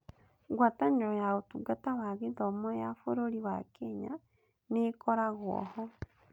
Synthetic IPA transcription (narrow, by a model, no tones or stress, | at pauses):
ɡwataɲeɾɔjaotuɡatawaɣeðɔmɔjafoɾoɾiβakʰeɲa̰ | nekʰoɾaɣwɔ̰hɔ